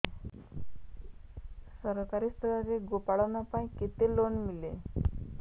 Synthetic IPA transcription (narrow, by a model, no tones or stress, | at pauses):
səɾkaɾist̪ʰəɡaɾeɡopaɭawnapaĩket̪elonmile